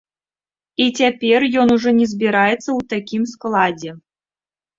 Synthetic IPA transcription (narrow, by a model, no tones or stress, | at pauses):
it͡sʲapʲɛrjɔnuʐɔnʲɛzʲbʲiɾajɛt̪sːɐwt̪akʲimsklˠad͡zʲɛ